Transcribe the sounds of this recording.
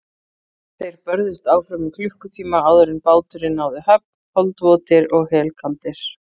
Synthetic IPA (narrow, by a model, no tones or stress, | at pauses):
θejɾpœɾðɪst̪aːwfɾamikʰlʏhkʏt̪ʰiːmaaːwðœɾɪnpaːwt̪ʏɾɪnawðɪhœp | hɔlt̪vɔːt̪ɪɾɔɣhɛːlkʰalt̪ɪɾ̥